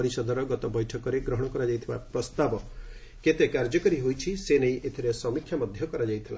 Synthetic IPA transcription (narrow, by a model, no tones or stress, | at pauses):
ɾisɔd̪ʱɔɾɔɡɔt̪ɔbɔjʈʰɔkɔɾeɡɾɔɦɔɽ̃ɔkɔɾad͡ʒajt̪ʰibapɾɔst̪abɔ | ket̪ekaɾd͡ʒɔkɔɾiɦojt͡ʃʰisenejʔet̪ʰiɾesɔmikʰjamɔd̪ʱjɔkɔɾad͡ʒajt̪ʰila